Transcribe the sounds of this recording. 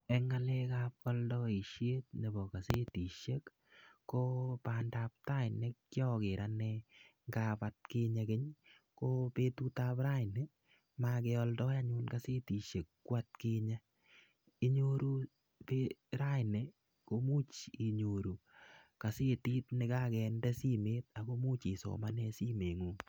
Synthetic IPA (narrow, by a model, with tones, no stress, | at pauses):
ɛŋa˦lɛ˦kap̚ɔ˦ldɔ˦i˨ʃje˦t̚ɲe˨bɔ˨ka˨se˦ti˨ʃe˦kː | opanda˦p̚ta˦ɪnɛ˦kkjɔ˦ke˨ɾanɛŋɡapat̚keɲa˧ke˦ɲ | ko˦pe˦tu˦ta˦pɾa˦ɪnɛ˨ | makɛ˧ɔ˧ldɔ˦ja˦ɲʊnka˦se˦ti˨ʃe˨kːwa˦t̚ke˦ɲa˦ | i˦ɲo˦ɾu˦ | pe˦ɾa˦jnɛ˨ | ko˦mu˦t͡ʃi˨ɲo˨ɾu˨ka˨se˦ti˦tnɪ˦ka˦kɛ˧ndɛ˦si˦meː˦t̚a˨ko˦mu˦t͡ʃi˨so̰˨ma˦nɛ˦si˦me˨ŋu˨